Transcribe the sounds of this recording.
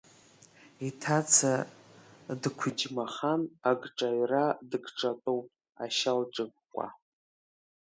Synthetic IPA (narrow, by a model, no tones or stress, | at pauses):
itʰat͡sʰa | dkʷʰʊd͡ʒmaχanaɡʈ͡ʂʼaɥradɨɡʈ͡ʂʼatʼowpʼ | a̰ʃalʈ͡ʂʼɨɡkʷʼa̰